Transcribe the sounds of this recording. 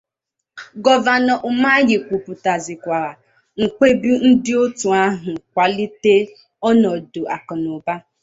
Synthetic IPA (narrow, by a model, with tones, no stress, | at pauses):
ɡɔ˦va˨nɔ˨ʔʊ˨ma˦jɪ˨kʷu˨pʊ˨ta˨zɪ˨kʷa˨ɾa˨ | ŋ̩˨kʷe˦bi˦n̩˦dɪ˦o˦tu˨a˦ɦʊ˨k̚ʷa˨li˦te˦ | ɔ˦nɔ˨do˨a˨kʊ˨nʊ˨ba˦